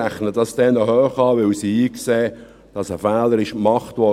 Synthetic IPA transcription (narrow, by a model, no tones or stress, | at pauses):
æχnəd̥ɑsd̥ɛnəɦœːχɑːʋɪwsiːiːkseː | d̥ɑsəfæːləɾɪʃmɑχtʋɔ